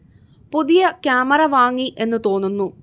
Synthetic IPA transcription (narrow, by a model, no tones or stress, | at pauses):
puðijɐkjaːmɐɾɐʋaːŋːiʔe̞nːɨt̪o̞ːnːunːu